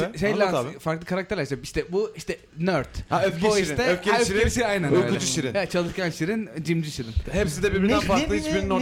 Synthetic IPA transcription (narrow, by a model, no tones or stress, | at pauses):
ʃejlʲanfaɾklˠɯkʰaɾakt̪ʰɛɾlʲæɾsapiʃt̪ʰɛbuiʃt̪ɛ | nøɾt̪oiʃt̪ɛøfkʰeøʃɾʰeiʃiajnænoøuɛd͡ʒuʃiɾint͡ʃʰalˠɯʃkʰanʃiɾind͡ʒimd͡ʒiʃiɾinhɛpsid̪ɛbiɾbiɾd̪ænnfaɾˠɯiit͡ʃbiɾnino